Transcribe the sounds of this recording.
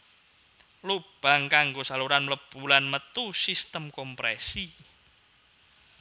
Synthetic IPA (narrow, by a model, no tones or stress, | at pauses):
lub̥aŋkaŋɡosaluɾanləb̥ulanmət̪usist̪əmkɔmpɾɛsi